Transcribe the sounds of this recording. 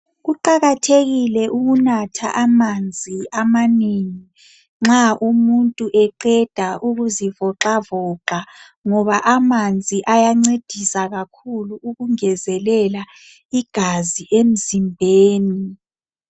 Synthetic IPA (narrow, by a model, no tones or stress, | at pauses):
ɣuǃaɣatʰeɣilɛʔuɣunatʰa̰ʔamand͡zʱiamaniːŋi | ŋ͡ǁaʔumuntʼuʔɛǃɛd̥ʱaʔuɣuzivɔǁavɔːǃa | ŋɔβaʔamand͡zʱiʔajaŋ͡ǀed̥ʱisaɣakʰuluːɣuŋɛzɛlɛla | iɡ̥ʱaziʔem̩zimbʱeːni